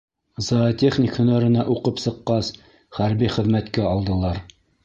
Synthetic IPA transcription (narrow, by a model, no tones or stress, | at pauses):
zɑt̪ʲeχnʲikhɵ̆næɾɘ̆næʔuqɤpsɤ̆qːɑs | χæɾbiχɘ̆ðmæt̪kæɑlˠd̪ɤ̆lˠɑɾ